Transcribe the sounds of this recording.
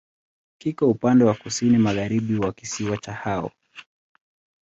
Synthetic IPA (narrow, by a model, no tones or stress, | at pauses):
kikaupandɛwakusinimaɣaɾiɓiwakisiwat͡ʃahaɔ̰